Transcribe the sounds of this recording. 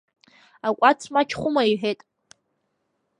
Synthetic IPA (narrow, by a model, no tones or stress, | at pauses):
akʷʼat͡sʰmat͡ʃʰχʷʊmaiħᶣetʼ